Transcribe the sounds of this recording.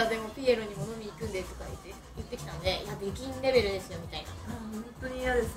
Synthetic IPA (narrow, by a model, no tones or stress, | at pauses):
ad̪e̞mo̞pʲieɾoɲ̟imo̞no̞mʲiːkɯ̟̃nd̪e̞t̪o̞kajɯt̪ːe | jɯt̪ːe̞kʲi̥t̪anone̞ijabekʲĩnɾe̞be̞ɾɯ̟d̪e̞sɨjo̞mʲit̪aina̰ahõnt̪o̞ɲ̟ijad̪es